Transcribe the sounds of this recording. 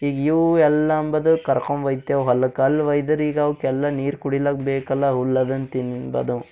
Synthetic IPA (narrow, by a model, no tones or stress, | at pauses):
iːɡiʋɛlːɐmbɐd̪ukɐɾkomʋɐjd̪jɐʋɦɐlːɐkɐlːʋɐjd̪ɐɾiːɡɐʋkɛlːɐniːɾkuɽilɐkbeːkɐlːɐɦulːɐd̪ɐnt̪inbɐ̰d̪u